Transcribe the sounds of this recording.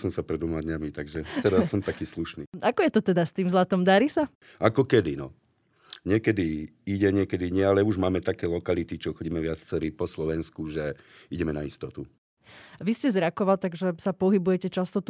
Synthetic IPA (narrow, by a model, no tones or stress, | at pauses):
sɔmsapɾɛd̪ʋɔmad̪ɲamit̪aɡʒɛt̪ɛɾasːɔmt̪akiːsluʃniːakɔjɛt̪ɔt̪ɛd̪ast̪iːmzlat̪ɔmd̪aɾisa | akɔkɛd̪inɔ̰ | ɲɪɛkɛd̪i | iɟɛɲɪɛkɛd̪iɲɪɛalɛuʒmaːmɛt̪akɛːlɔkalit̪it͡ʃɔxɔɟiːmɛʋɪat͡sɛɾipɔslɔʋɛnskuʒɛiɟɛmɛnaist̪ɔt̪u | ʋiscɛzɾakɔʋalt̪aɡʒɛsapɔɦibujɛcɛt͡ʃast̪ɔt̪